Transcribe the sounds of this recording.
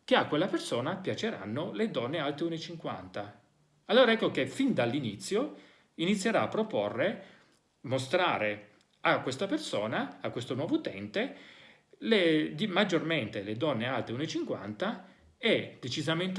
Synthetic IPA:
k̟eakːwelːapersoːnapjat͡ʃeɾa̰nːoled̪ɔnːealt̪eunet͡ʃiŋkwa̰nt̪a | alːoːɾaɛkːok̟efind̪alːinit̪sːjo | init̪sːjeɾaːpːɾoporːe | most̪ɾaːɾe | akːwest̪apersoːnaakːwest̪onwɔːvot̪ɛ̰nt̪e | led̪imad͡ʒorment̪eled̪ɔnːealt̪eunet͡ʃiŋkwa̰nt̪a | ɛd̪̥et͡ʃizament̪

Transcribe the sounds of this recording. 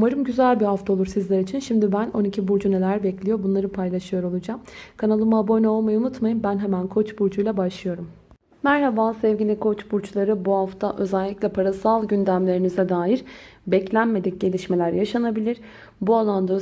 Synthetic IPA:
umaɾɯmɟyzælʲbiɦaft̪ʰao̞lˠuɾsizlʲæɾit͡ʃʰinʃimd̪ibæno̞nicʰibuɾd͡ʒune̞lʲæɾbɛclʲijo̞bunlˠaɾɯpʰajlˠaʃɯjo̞ɾo̞lˠud͡ʒamkʰanalˠɯmɯabo̞jnaolˠmajaunut̪majɯmbænɦɛmænkʰo̞t͡ʃbuɾd͡ʒujlˠabaʃlˠɯjo̞ɾum | mæɾɦabansɛvɟilʲikʰo̞t͡ʃbuɾt͡ʃlˠaɾɯbuhaft̪ʰaʔø̞zɛlʲːicʲlʲɛpʰaɾasalˠɟynd̪æmlʲe̞ɾinizɛd̪aːiɾbɛclʲænme̞d̪ic̚ɟe̞lʲiʃme̞lʲæɾjaʃanabilʲiɾ̥ | bualˠand̪aø

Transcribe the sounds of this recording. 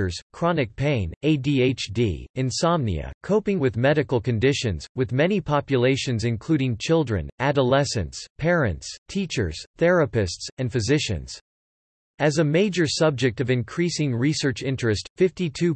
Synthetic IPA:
ə˞z̥kʰɹ̥ɑnɨk̚pʰẽɪ̃neɪdieɪt͡ʃdḭɨ̃nsɑmnḭɨ̰kʰoʊpɪ̃ŋwɨðmɛɾɨkl̩ˠkɨ̃ndɪʃɨ̃nz̥wɨðmɛnipʰɑpjɨleɪʃɨ̃nzɨ̃nkʰl̥ʉɾɪ̃ŋt͡ʃʰɪlˠdɹɨ̰̃næɾəlɛsɨ̃ntspʰɛɹɨ̃ntstʰit͡ʃə̰˞z̥θɛɹɨpɨstsɨ̃nfɨzɪʃɨ̰̃nz̥ | ɨzɨmeɪd͡ʒə˞sʌb̚d͡ʒɨk̚tʌvɨ̃nkʰɹ̥isɪ̃ŋɹisɜ˞t͡ʃɪ̃nt͡ʃɹ̥ɨstfɪftitʰʉ

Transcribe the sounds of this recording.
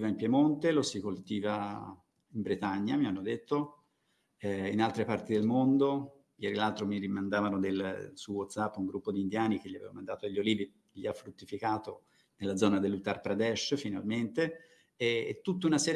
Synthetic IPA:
ivaimpjemont̪elosikolt̪iːva | imbɾet̪aɲːamianːod̪et̪ːo | ɛinalt̪ɾepart̪id̪elmond̪o | jɛːɾilalt̪ɾomiɾimand̪aːvanod̪elsuwɔt̪sapːuŋɡɾupːod̪ind̪jaːnik̟eʎːiavevamand̪aːt̪oaʎːoliːvi | ʎiafːɾut̪ːifikaːt̪o | nelːad̪zɔːnad̪elːut̪arpɾad̪ɛʃfina̰lment̪e | eːt̪ːut̪ːeunasɛːɾ

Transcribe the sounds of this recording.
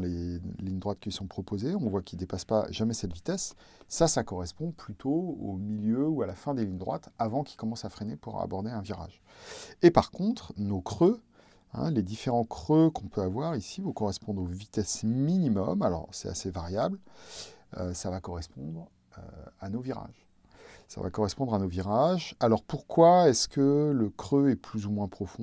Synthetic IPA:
leliɲd̪ʁwat̪̚kʲilsɔ̃pχɔpozeɔ̃vwakʰʲid̪epaspaʒamɛsɛt̪vit̪ɛsː | asakɔʁɛspɔ̃plyt̪ʰoo̰miljøualafɛ̃d̪eliɲd̪ʁwat̪avɑ̃kʲikɔmɑ̃safχenepuʁa̰bɔʁd̪eɛ̃viʁa̰ʒepaʁkɔ̃t̪χnokχø | ɛ̰̃led̪ifeʁɑ̃kχøkɔ̃pøavwaʁisivukɔʁɛspɔ̃d̪ʁovit̪ɛsminimɔmalɔ̰ʁsɛt̪a̰sevaʁjabl | ø̰savakɔʁɛspɔ̃d̪ʁ | ø̰anoviʁa̰ʒ | sa̰va̰kɔʁɛspɔ̃d̪ʁanoviʁaʒalɔʁpuʁkwaɛskələkχøɛplyzumwɛ̃pχɔfɔ̃

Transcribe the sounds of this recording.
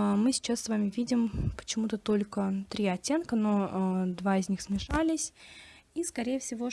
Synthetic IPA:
mɨsʲɪ̥t͡ɕasːvamʲɪvʲidʲɪmpə̥t͡ɕɪmut̪ət̪o̞lʲkət̪ɾʲiɐtʲːe̞nkəno̞d̪vaɪzʲnʲixsmʲɪʂalʲɪsʲiskɐɾʲejəfsʲɪvo̞

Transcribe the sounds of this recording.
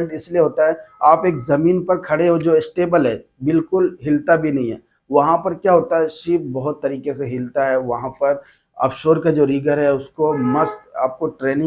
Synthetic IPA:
ɳʈɪslieɦoːt̪aɦɛaːpeːkzɐmiːnpɐɾkʰɐɽeɦod͡ʒoːɪsʈeːbəlɦɛː | bɪlkʊlɦɪlt̪abʱinɐɦĩɦɛ̰ː | ʋɐɦãpɐɾkjaːɦoːt̪aɦɛʃiːp̚bɐɦʊt̪ːɐɾiːkeseɦɪlt̪aɦɛʋɐɦãpɐɾ | ɔ̰ːpʃoːɾkad͡ʒoːɾiːɡəɾɦɛʊskomɐst̪a̰ːp̚koʈɾeːnɪ̃

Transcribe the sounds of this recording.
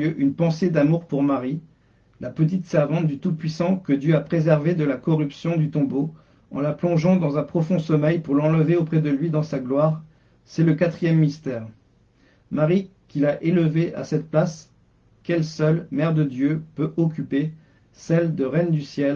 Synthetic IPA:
øʔynpɑ̃sed̪amuʁpuʁmaʁi | lapət̪̬it̪sɛʁvɑ̃t̪̚d̪yt̪upɥisɑ̃kəd̪jøapχezɛʁved̪əlakɔʁypsjɔ̃d̪yt̪ɔ̃bo | ɑ̰̃laplɔ̃ʒɑ̃d̪ɑ̃zɛ̃pχɔfɔ̃sɔmɛjpuʁlɑ̃ləveopχɛd̪əlɥid̪ɑ̃saɡlwaʁ | sɛləkat̪χijɛmːist̪ɛːʁ | maʁikʲilaʔeləveʔa̰sɛt̪̚plas | kʲɛlsœlmɛʁd̪əd̪jøpøʔɔk̬ʲype | sɛld̪əʁɛnd̪ysjɛl

